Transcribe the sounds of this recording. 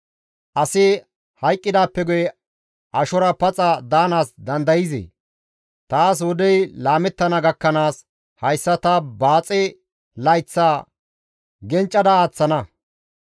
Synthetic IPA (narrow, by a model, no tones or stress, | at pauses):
ʔɐsɪ | hɐjkʼːɪd̪aːpːɛɡʊjɛ | ʔɐʃɔɾɐpɐt͡sʼɐd̪aːnaːsd̪ɐnd̪ɐjɪzḛː | t̪aːs̬wɔd̪ɛjlaːmɛt̪ːɐnɐɡɐkːɐnaːs | hɐjsːɐt̪ɐbaːt͡sʼɛ | lɐjt͡sːaː | ɡɛnt͡ʃʼːɐd̪ɐaːt͡sːɐnɐ